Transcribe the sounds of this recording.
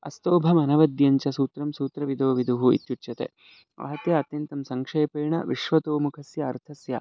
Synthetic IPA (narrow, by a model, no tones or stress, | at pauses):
ɐ̰st̪oːbʱɐmɐnɐʋɐd̪jɐɲt͡ʃɐsuːt̪ɾɐmsuːt̪ɾɐʋid̪oːʋid̪uɦuḭt̪jut͡ʃɐt̪ḛ | ɐ̰ɦɐt̪jɐɐt̪jɐnt̪ɐmsɐŋkʂɐjɐpɐːɳɐ̰ʋiʃʋɐt̪oːmukʰɐsjɐːɾt̪ʰɐsjɐ̰